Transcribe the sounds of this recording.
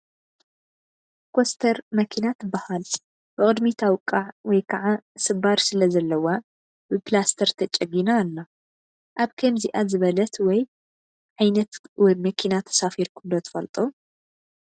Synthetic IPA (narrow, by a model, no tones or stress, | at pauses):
kʰost̪ʰɐɾmɐkʰinat̪bahal | b̥ɨkʼɨd̪mit̪ʰawkʼːaʕwɔjkʰɐʕasɨbaɾsɨlɐzɐlːɐwa | b̥ɨplast̪ʰɐɾt̪ʰɐt͡ʃʼɐɡinalːa | ʔaβkʰɐmziʔazɨβɐlɐt̪wɔj | ʕajnɐt̪wɔjmɐkʰinat̪ʰɐ̥safiɾkʰund̪ot̪ʰɨ̥fɐlt̪ʼu